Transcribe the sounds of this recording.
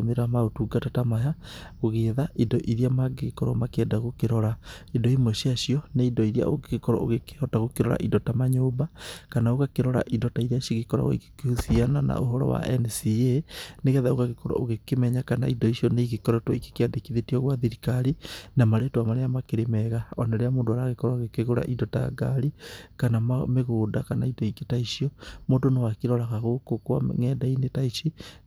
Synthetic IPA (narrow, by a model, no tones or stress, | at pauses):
meɾamaotuɡatatamajaɣoɣeðaʔindɔʔiɾiamaɡekɔɾɔ̰makeɛdaɣokeɾɔɾaidɔimoʃiaʃiɔneidɔiɾia̰oɡekɔɾɔ̰o̰ɣeke̥hɔtaɣokeɾɔɾa̰ʔidɔtamaɲoːbakanaoɣakeɾɔɾa̰ʔidɔtaiɾiaʃiɣekɔɾa̰ɣɔ̰ḭke̥keusianana̰oɦɔɾɔ̰wa̰ʔɛnsieneɣɛðaoɣaɣekoɾa̰oɣekemɛɲakana̰idɔiʃiɔneiɣekɔɾɔtwɔike̥keadekiðetiɔɣwaðiɾikaɾinamaɾetwamaɾejamakeɾemɛɣaɔnaɾeamoːndoaɾaɣekɔɾaɣekeɣoɾa̰ʔindɔta̰ɡa̰ɾikanamameɣoːdakanaidɔiketaiʃiɔmoːdonewakeɾɔɾaɣaɣokokwa̰ŋɛdainetaiʃi